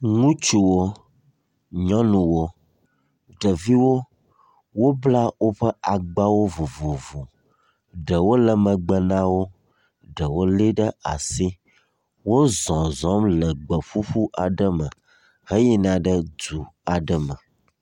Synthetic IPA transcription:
ŋũ˦t͡ʃu˨wo˦ | ɲɔ̃˦nũ˨wo˦ | ɖə˨vi˦wo˦ | wo˦bla˦wo˦ɸə˦a˨ɡ͡ba˦wo˦vu˨vo˨vu˨ | ɖə˨wo˦lə˨mə̃˨ɡ͡bə˨nã˦wo˦ | ɖə˨wo˦li˦ɖə˦a̰˨si˦ | wo˦zɔ̃˨zɔ̃˨˦mlə˨ɡ͡bə˨fu˦ɸu˦ʔa˨ɖə˦mə̃˨ | hə˦ji˦nã˨ɖə˦d͡zu˨a˨ɖə˦mə̃˨

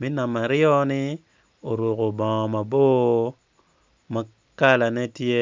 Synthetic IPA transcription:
mi˦na˨ma˨ɾɪ˦ɔ˦nɪ˦ | o˨ɾo˨ko˨bɔ̃˨ŋɔ˨ma˨bo˦ | ma˨ | ka˦la˨nɛ˦tje˦

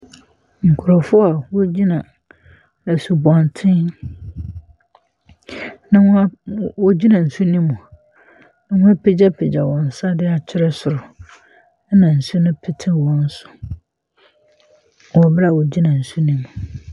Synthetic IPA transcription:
ŋ̩˨kʰʊ˨ɾɔ˨fʊ˦a˨wɔ˦d͡ʑi˦nã˨ | æ˨su˨bɔ̃˨ntʰɪ̃˦n | nã˦w̃wɔ˦d͡ʑi˦nã˨n̩˨su˦nĩ˦mũ˨ | nã˦wʊ̃˦a˦pʰɪ˦d͡ʑɛ˦pʰɪ˨d͡ʑa˨wɔ̃˨n̩˨sa˦dɪ˦a˨t͡ɕʰɪ˦ɾɛ˦sʊ˨ɾʊ˨˦ | nã˨n̩˨sʊ˦nʊ̃˦pʰɪ˦tʰɪ̃˦wɔ̃˦n̩˦sʊ̥˨ | wɔ˨bɾa˨wɔ˨d͡ʑi˦nã˨n̩˨su˦nĩ˦mũ˨

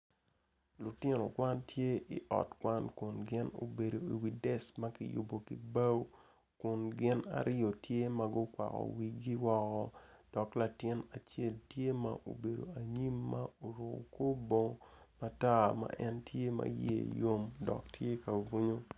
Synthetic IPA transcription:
lʊ˨tɪ˦no˨kwa˦ntje˦i˨ʔɔ̰˨tkwa˦nkʊ˨nɡɪ˦no̰˨be˨do˨i˨wi˨dɛ˦sma˦kɪ˨jʊ̰˨bo˨ki˨ba˦w | kʊ˨nɡɪ˦na̰˨ɾɪ˦o˨tje˦ma˦ɡʊ˦kwa̰˨kɔ̰˨wi˨ɡi˦wɔ˦kɔ˦d̥ɔ˨kla˨tɪ˦na˨t͡ʃe˦˨ltje˦ma̰˦ʔo̰˨be˨do̰˨a˨ɲi˦mːa˦o˨ɾo̰˨ko˦bo˦ma˦ta˦˨ma̰˨ʔɛ˦ntje˦ma̰˨jḛ˦˨jo˦mdɔ̰˨ktje˦ka˨ɡu˦ɲo˦

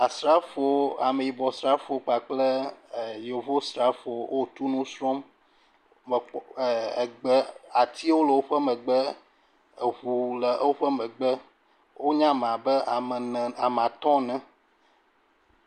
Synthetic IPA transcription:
a˨sɾa˦fo˦a˨mẽ˨ji˨bɔ˨sɾa˦fo˨k͡pa˨k͡plə˦˨jo˨vo˦sɾa˦fo˨wʔo˦˨t̪u˦nũ˦sɾɔ˦m˨ | ɡ͡bə˦a˨t̪ʰi˦wo˦lə˨wo˦ɸə˦mə̃˨ɡ͡bə˦˨ | ɸu˨lə˨˦wo˦ɸə˦mɛ̃˨ɡ͡bə˦ | wʔo˦ɲã˦m˨ã˨bə˦˨nɛ˨a˨m˨ã˨t̪ɔ̃˦nɛ̃˨

